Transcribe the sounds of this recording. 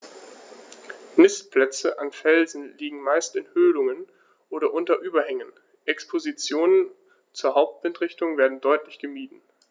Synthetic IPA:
nɪspl̥ɛt͡səʔanfɛlzn̩liːɡŋ̩maɪstɪnhøːlʊŋən | ʔoːɾɐʔʊntɐʔyːbɐhɛŋən | ʔɛkspʰozit͡sjoːnən | t͡suːɐɦaʊp̚tv̥ɪntʁ̥ɪçtʊŋveːɐdn̩dɔʏtlɪçɡ̥əmiːdn̩

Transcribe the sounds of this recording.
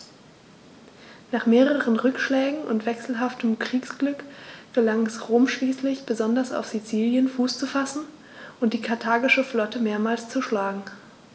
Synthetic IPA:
naːχmeːʁəʁənʁʏkʃlɛːɡŋ̩ʊ̰ntv̥ɛksl̩ɦaftʰəmkʁ̥iːksɡ̥lʏkɡ̥əlaŋɛsʁoːmʃliːslɪçb̥əzɔndɐsa̰ʊfz̥it͡siːljənfuːst͡sufasn̩ | ʔʊntd̥iːkʰaɐtʰaːɡɪʃəflɔtəmeːɐmaːlst͡suʃlaːɡŋ̩

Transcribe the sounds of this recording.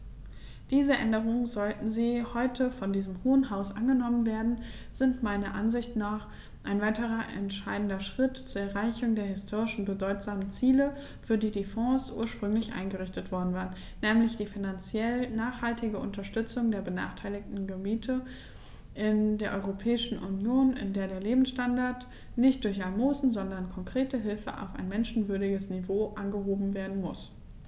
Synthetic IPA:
d̥iːzəʔɛ̰ndəʁ̞ʊŋənzɔltn̩ziːhɔʏtʰəfɔndiːzəmhoːənɦaʊsʔa̰nɡənɔmənveːɐdn̩ | z̥ɪntmaɪnɐʔanzɪçtnaːχ | ʔaɪnvaɪtəʁɐʔɛ̰ntʃaɪdn̩dɐʃʁ̥ɪtt͡suːɐɛɐʁaɪçʊŋdeːɐɦɪstʰoːʁɪʃn̩bədɔʏtz̥aːmənt͡siːlə | fyːɐdiːdiːfɔ̃sʔṵːɐʃpʁ̥ʏŋlɪçʔa̰ɪnɡəʁɪçtətv̥ɔɐdn̩vaːʁən | nɛːmlɪçd̥iːfɪnant͡sjɛlnaːχhaltɪɡəʔʊ̰ntɐʃtʏt͡sʊŋdeːɐbəna̰ːχtʰaɪlɪk̚tn̩ɡəmiːtʰə | ʔɪndeːɐʔɔʏʁopʰɛːɪʃn̩ʔṵnjoːnɪ̰ndeːɐɾeːɐleːbm̩sʃtandaɐt | nɪçtd̥ʊɐçalmoːzn̩zɔndɐnkʰɔŋkʁ̥eːtəɦɪlfə̰ʔa̰ʊfa̰ɪnmɛnʃn̩vʏɐɾɪɡəsnivoːʔanɡəɦoːbm̩veːɐdn̩mʊs

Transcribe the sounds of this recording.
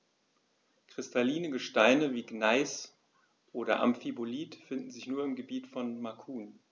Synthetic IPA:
kʁ̥ɪstʰaliːnəɡəʃtaɪnəviːɡnaɪs | ʔoːɾɐ̰ʔa̰mfiboliːtfɪndn̩zɪçnuːɐɪmɡəbiːtfɔnmakʰuːn

